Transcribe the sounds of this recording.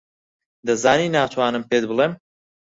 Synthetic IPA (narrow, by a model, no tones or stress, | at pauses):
d̪ɐzaːniːnaːt̪ʰwaːnɨmpeːd̪̚bɨlˠeːm